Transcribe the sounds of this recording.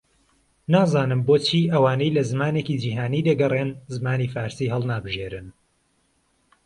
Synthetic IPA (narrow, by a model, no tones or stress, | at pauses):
naːzaːnɨmboːt͡ʃʰiːʔɐwaːnejlɐzɨmaːneːkid͡ʒiːɦaːniːd̪ɐɡɐrenzɨmaːniːfaːɾsiːɦɛlˠnaːbɨʒjeɾɨn